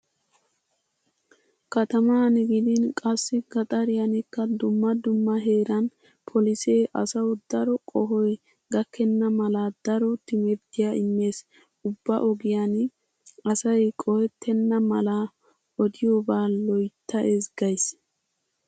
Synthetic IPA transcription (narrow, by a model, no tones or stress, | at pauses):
kɐt̪ɐmaːnɪɡɪd̪ɪnkʼɐsːɪɡɐt̪ʼɐɾɪjɐnɪkːɐd̪ʊmːɐd̪ʊmːɐɦe̞ːɾɐn | pʰɔlɪseːʔɐ̰sɐwd̪ɐɾɔkʼɔɦɔj | ɡɐkːɛnːɐmɐlɐd̪ɐɾɔt̪ɪmɛɾd̪ɪjaʔɪmːe̞ːs | ʊbːɐ̰ʔɔɡɪjan | ɐsɐjkʼɔhɛt̪ʰːɛnːɐmɐla | ɔd̪ɪjobaːlɔjt̪ːɐʔezɡɐjs